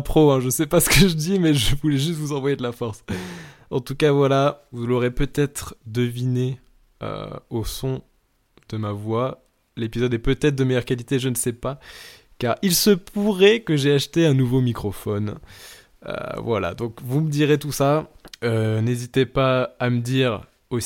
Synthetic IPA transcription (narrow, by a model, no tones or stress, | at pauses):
pχoɛ̃ʒəsɛpasə̥kəʒəd̪imɛʒəvulɛʒyst̪vuzɑ̃vwajed̪əlafɔʁs | ɑ̰̃t̪ukavwalavulɔʁepøt̪ɛt̪χd̪əvine | ø̰osɔ̃ | d̪̥əmavwa | lepizɔd̪ɛpøt̪ɛt̪χd̪əmejœʁkʲalit̪eʒənəsɛpa | kaʁilsəpʰuʁɛkəʒɛaʃt̪eɛ̃nuvomikχɔfɔn | ø̰vwala̰d̪ɔ̃kvuməd̪iʁet̪usaønezit̪epaːməd̪iʁ | o